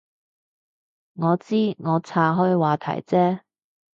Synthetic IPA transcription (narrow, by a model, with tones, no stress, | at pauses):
ŋɔː˨˧t͡siː˥ŋɔː˨˧t͡sʰaː˧ɦɔː˥jwaː˨˧t̪ʰɐ̰˨˩jt͡sɛː˥